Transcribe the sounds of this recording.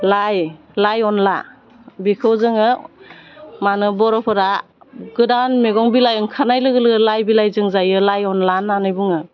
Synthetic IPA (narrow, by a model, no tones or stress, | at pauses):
laj | lajɔnla | bikʰɯwzɯŋɯ | manɯbɔɾɔpʰɯɾa | ɡɯdanmeɡɔŋbilajɯŋkʰanajlɯɡɯlɯɯlajbilajzɯŋzajɯlajɔnlananɯjbuŋɯ